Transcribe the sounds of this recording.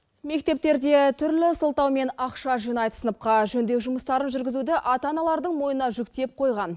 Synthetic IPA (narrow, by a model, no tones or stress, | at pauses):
me̞k̚t̪e̞p̚t̪e̞ɾd̪e̞t̪ʰʏɾlɪsəlˠt̪ɑwme̞nɑqʃɑʒijnɑjt̪ə̥sənəp̚qɑʒɵnd̪e̞kʒʊməst̪ɑɾənʒʏɾɡʲɪzud̪ɪʔɑt̪ɑnɑlˠɑɾd̪əɴmo̞jənɑʒʏkt̪e̞p̚qʰo̞jʁɑn